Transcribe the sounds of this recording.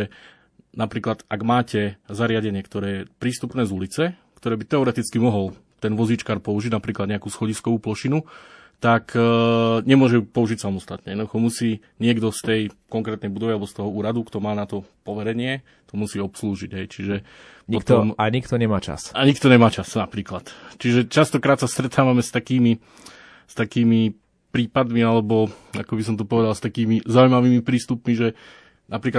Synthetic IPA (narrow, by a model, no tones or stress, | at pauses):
ɛ | napɾiːklad̪aɡmaːcɛzaɾɪaɟɛɲɪɛkt̪ɔɾɛːɛpɾiːst̪upnɛːzulit͡sɛkt̪ɔɾɛːbit̪ɛɔɾɛt̪it͡skimɔɦɔl | t̪ɛnʋɔzit͡ʃkaːɾpɔuʒiɟnapɾiːklad̪ɲɛakuːsxɔɟiskɔʋuːplɔʃinu | t̪ak | ɲɛmʊɔʒɛpɔuʒicsamɔst̪at̪ɲɛɛd̪ad̪uxɔmusiːɲɪɛɡd̪ɔst̪ɛjkɔŋkɾɛːt̪nɛjbud̪ɔʋialɛbɔst̪ɔɦɔuːɾad̪ukt̪ɔmaːnat̪ɔpɔʋɛɾɛɲɪɛ | t̪ɔmusiːɔpsluːʒiɟɦɛjt͡ʃiʒɛ | pɔt̪ɔmaɲikt̪ɔɲɛmaːt͡ʃa̰saɲikt̪ɔɲɛmaːt͡ʃasnapɾiːklat̪t͡ʃiʒɛt͡ʃast̪ɔkɾaːt̪sast̪ɾɛt̪ʰaːʋamɛst̪akiːmi | st̪akiːmi | pɾiːpad̪mialɛbɔakɔbis̬ɔmt̪upɔʋɛd̪alst̪akiːmizaujmaʋiːmipɾiːst̪upmiʒɛ | napɾiːkla